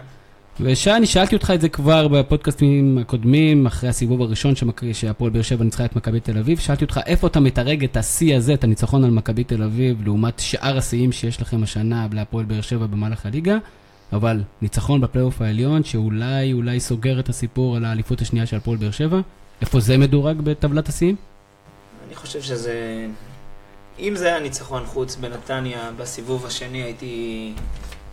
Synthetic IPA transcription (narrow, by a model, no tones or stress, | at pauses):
veʃaniʃaalt̪io̞t̪χaedzekvaʁbepo̞d̪̚kastimako̞d̪mimaχʁe̞jhasivuvaʁiʃo̞nʃeʃeapolbeeʃe̞vanit͡sχaetmakabite̞lavivʃaʔalt̪iotχaʔe̞fo̞atametaʁe̞ɡetasiaze̞tanit͡saχo̞nalmakabit̪e̞lavivleumat̪ʃʔaʁasiimʃejeʃlaχe̞maʃanableapoelbeeʁʃe̞vabe̞malaχaliɡaː | valnit͡saχo̞nbeplejo̞faeljo̞nʃeulajulajso̞ɡe̞ʁetasipuʁalaːlifutaʃniaʃelpolbe̞eʁʃe̞vaʔe̞fo̞ze̞me̞duʁaɡbe̞tavlatasiim | aniχo̞ʃe̞vʃeze | imzeajanit͡saχo̞nχut͡sbenat̪anjabasivuvaʃe̞niajiti